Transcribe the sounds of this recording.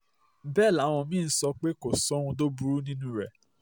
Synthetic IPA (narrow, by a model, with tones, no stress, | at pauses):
bɛ˦˨la˨˦w̃ɔ̃˧mĩ˦˧n̩˦sɔ˧k͡pe˦ko˨sɔ˦ũ˧do˦bu˦ɾu˦nĩ˦nũ˦ɾɛ˨